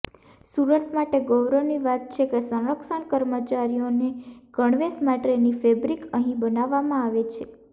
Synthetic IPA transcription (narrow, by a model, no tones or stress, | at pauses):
suɾət̪ʰmaʈeɡɔwɾoniʋat̪̚t͡ʃʰekesə̃ɾəkʃəɳkəɾmət͡ʃaɾijoneɡ̥əɳʋesmaʈenifebɾikəɦĩbənaʋːamãaʋet͡ʃʰe